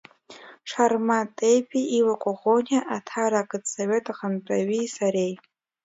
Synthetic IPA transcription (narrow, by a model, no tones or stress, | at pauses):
ʂarmatʼejpʼiiwakʷʼaʁonaʔatʰaɾakʼɨdʼsoɥetʼaχantʼaɥisaɾej